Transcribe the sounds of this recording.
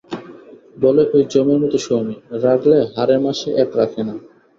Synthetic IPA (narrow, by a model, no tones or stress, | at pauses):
bɔleʔojd͡ʑɔmoɾmɔt̪oʃomiɾakʰleɦaɾemaʃeʔɛkɾakʰena